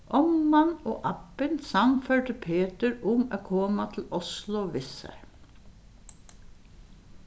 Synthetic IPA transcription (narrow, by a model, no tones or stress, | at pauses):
ʔɔmmɑno̰ːʔɑpənsɑŋfœʈ̪əpʰeːt̪əɹʊma̰ːkʰoːmat̪ʰɪl̩ʊslʊʋɪsə̰ɹ